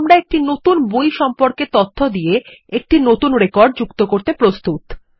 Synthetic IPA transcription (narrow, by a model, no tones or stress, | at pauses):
mɾaek̚ʈinot̪unbojʃɔmpoɾket̪ot̪ʰːod̪ijeek̚ʈinot̪unɾekɔɾɖ̚d͡ʑukt̪okoɾt̪epɾost̪ut̪